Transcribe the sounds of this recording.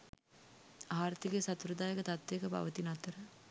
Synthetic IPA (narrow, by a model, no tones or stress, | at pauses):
aːaɾt̪iɡesat̪uɾəd̪aːjəkət̪at̪ːekəpa̰ʋət̪inat̪əɾə